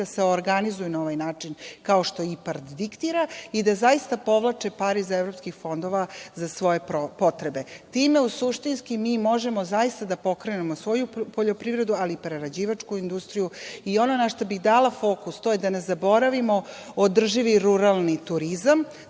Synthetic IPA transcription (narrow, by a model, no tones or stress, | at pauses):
aseoɾɡanizujunao̞ʋajnaːt͡ʂinkaoʃt̪o̞ipaɾt̪d̪ikt̪iːɾaid̪azaist̪apo̞ʋlˠat͡ʃepaɾizevɾo̞pskixfo̞nd̪o̞ʋazasʋo̞je̞popo̞t̪ɾebe̞t̪iːme̞usuʃt̪inskimiːmo̞ʒe̞mo̞zaist̪ad̪apo̞kɾenemosʋo̞jupo̞ʎo̞pɾiʋɾe̞d̪ualipɾeɾad͡ʑiːʋat͡ʂkuind̪ust̪ɾijuio̞nonaʃt̪obiɣd̪aːlafo̞kust̪o̞jed̪anezabo̞ɾaʋimo̞od̪r̩ʒiʋiɾuɾalˠnit̪uɾizam